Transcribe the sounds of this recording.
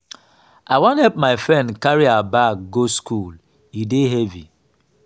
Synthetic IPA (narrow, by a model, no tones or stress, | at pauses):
ʔawɔ̃nhɛlp̚maɪfɹɛ̃ndkaɹiabak̚ɡoskul | ideɦɛvi